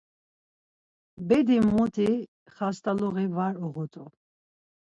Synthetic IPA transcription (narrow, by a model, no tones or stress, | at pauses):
bɛd̪imːɔt̪ʰi | χast̪ʼalɔɣivaɾɔʁɔt̪ʼu